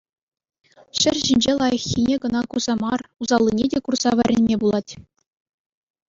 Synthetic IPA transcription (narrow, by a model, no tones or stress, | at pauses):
ɕɘrʲʑinʲd͡ʑelˠɑjɤ̆xʲːinʲeɡɤ̆nɑkurzɑmɑruzɑlʲˠːinʲedʲekurz̥ɑʋʲɘɾʲenʲmʲebulˠɑtʲ